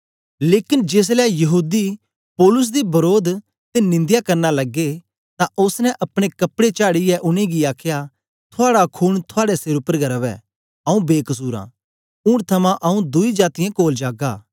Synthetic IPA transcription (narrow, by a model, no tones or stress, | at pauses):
leːkɪnd͡ʒeːs̬lɛjɐɦuːd̪i | pɔːlʊs̬d̪ibɐɾoːd̪ | t̪enɪ̃nd̪jakɐɾnalɐɡːe | t̪ãʔʊsnɛ̃ʔɐpɽ̃ekɐpɽet͡ʃaːɽijɛʔʊñẽɡiaːkʰja | t̪ʰʊaːɽakʰuːɽt̪ʰʊaːɽɛsɪɾʊpːəɾɡʱɐɾɐʋɛ̰ː | ɐũbeːkɐs̬uːɾã̰ː | ũːɾt̪ʰɐmãʔɐũd̪ʊid͡ʒaːt̪ɪjãkoːld͡ʒaːɡaː